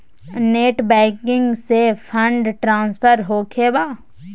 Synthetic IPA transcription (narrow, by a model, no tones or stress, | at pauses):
neːʈbɛ̃ːkɪ̃ŋɡsepʰə̃ɳɖʈɾãːnspʰəɾɦoːkʰeːbaː